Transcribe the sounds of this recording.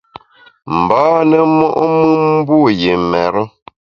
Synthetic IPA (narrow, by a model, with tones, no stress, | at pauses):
m̩˨baː˦nə˦mɔ˦ʔmɨ˦m̩˦bu˦˨je˨mɛ˨ɾə˦